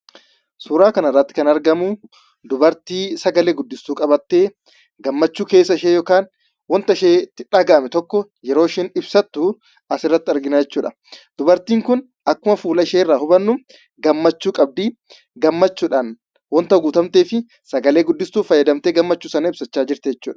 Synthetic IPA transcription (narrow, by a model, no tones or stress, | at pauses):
suːɾaːkɐnɐrːɐt̪ːɪ̥kɐnɐɾɡɐmʊ | d̪ʊbɐɾt̪iːsɐɡɐleːɡʊd̪ːɪst̪uːkʼɐbɐt̪ːe̞ː | ɡɐmːɐt͡ʃːuːke̞ːsːɐɪʃeːjɔkaːn | wɔnt̪ɐʃeːt̪ɪᶑaːɡaːmɛt̪ɔkːɔjɛɾoːʃeːnɪbsɐt̪ːu | ɐsɪrːɐt̪ːɪɐɾɡɪnad͡ʒɛt͡ʃːuːᶑɐ | d̪̥ʊbɐɾt̪iːŋkʊn | ʔɐkːʊmɐfuːlɐɪʃeːɪrːaːhʊbɐnːʊm | ɡɐmːɐt͡ʃːuːkʼɐb̚d̪iː | ɡɐmːɐt͡ʃːuːᶑaːn | wɔnt̪ɐɡuːt̪ɐmt̪eːfɪ | sɐɡɐle̞ːɡʊd̪ːɪst̪uːfɐjːɐd̪ɐmt̪e̞ːɡɐmːɐt͡ʃːuːsɐnɐɪbsɐt͡ʃːaːd͡ʒɪɾt̪ɛɛt͡ʃːuːᶑɐ̥